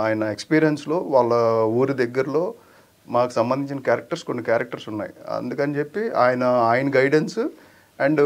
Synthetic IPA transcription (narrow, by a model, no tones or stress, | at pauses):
aːjɐnɐekspiːɾijɐnslo̞ːʋaːɭːɐuːɾud̪ɛɡːɐɾɐlo̞ː | maːku̥sɐmbɐnd̪iɲt͡ʃinɐkjaːɾɐk̚ʈɐɾsko̞nːikjaːɾɐk̚ʈɐɾsunːa̰ːjḭɐ̰nd̪ukɐnt͡ʃe̞pːiaːjɐnɐaːjɐnɡɐjɖens | ɛɳɖ